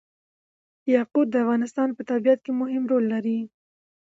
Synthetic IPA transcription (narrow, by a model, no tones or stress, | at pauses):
jɑqud̪̚ːəafɣɑnɪst̪ɑnpət̪abijat̪̚kemʊɦɪmɾolːaɾi